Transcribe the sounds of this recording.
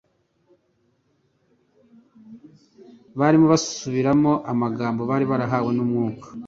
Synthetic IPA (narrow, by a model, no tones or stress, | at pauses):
βaːɾimoβasu̥suβiɾamo̞ʔamaɡaːmbo̞βaːɾiβaɾaɦaːwe̞numŋuːkḁ